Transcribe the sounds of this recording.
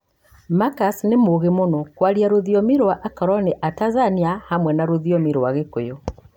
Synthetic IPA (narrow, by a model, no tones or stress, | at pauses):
makasnemoɣemonɔkwaɾiaɾoðiɔmiɾowaʔakaɾɔneʔatazaniahamwɛnaɾoðiɔmiɾowaɣekojɔ